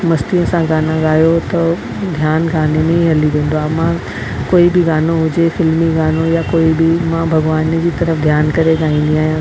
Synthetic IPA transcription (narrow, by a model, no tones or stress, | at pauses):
mɐst̪iəsãɡaːnãɠaːjot̪ɐ | d̪ʱjaːnɡaːnemẽɦĩɦɐliʋẽːn̆d̪oaːmã | koːibɪɡaːnoɦʊd͡ʑefɪlmiɡaːnojakoːibɪmãbʱɐɡʋaːnd͡ʑiːt̪ɐɾəfd̪ʱjaːnkɐɾeɠaːɦĩːn̆d̪iaːɦijã